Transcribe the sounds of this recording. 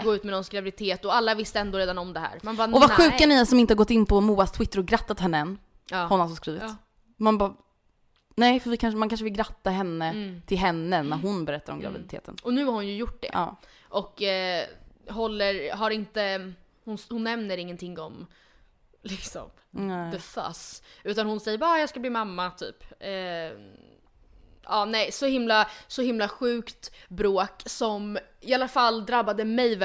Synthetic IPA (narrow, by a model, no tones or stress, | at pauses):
ɡoːʉ̟ːt̪mɛnɔnsɡɾavɪd̪ɪt̪ʰeːt̪ɔalːavɪst̪əɛnd̪oːɾeːd̪anɔmd̪ɛɦæ̰ːɾmanːɔvaɧʉ̟ːkanɛasɔmɪnt̪əhaɾɡɔt̪ːɪnːpʰɔmuːast̪ʰwɪt̪ːəɾɔɡɾat̪ːat̪hɛnːəɛnː | hɔnːɔmsɔskɾiːvɪt̪ | manbɑː | nɛɪfœɾvɪkʰanʂmankʰanʂəvɪlɡɾat̪ːaɦɛnːət̪ʰɪlɦɛnːənæɾɦʊnbɛɾɛt̪ːaɾɔ̰mɡɾa̰vɪ̰d̪ɪt̪ʰḛːt̪ʰə̰nɔnʉ̟ːhaɾhʊnjɵjʊʈːɖ̪ɛ̰ʔʔɑ̰ː | ʔɔk | ɦɔlːəɾɦaɾɪnt̪ə | hʊnhʊnːɛmnəɾɪŋːənt̪ʰɪŋːɔm | lɪksɔ̰m | d̪ɛfa̰sʉ̟ːt̪anhʊnsɛjːəɾbajɑːɡskabliːmamːat̪ʰy̰ːpː | ʔɑːnɛɪsɔhɪmlasɔhɪmlaɧʉ̟ːkt̪bɾoːksɔm | ɪalːafalːd̪ɾabːad̪əmɛjv